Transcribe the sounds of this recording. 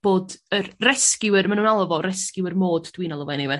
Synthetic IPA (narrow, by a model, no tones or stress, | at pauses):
b̥oːdərrɛskɪwɪrmanuːnalˠvɔrɛskɪwərmoːdd̥wɪnɔlˠɔvɛnivɛ